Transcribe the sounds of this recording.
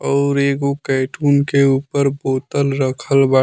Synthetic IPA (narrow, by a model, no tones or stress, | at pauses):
ɔːɾeːɡokɛːʈʰuːnkeuːpəɾboːt̪əlɾəkʰəlba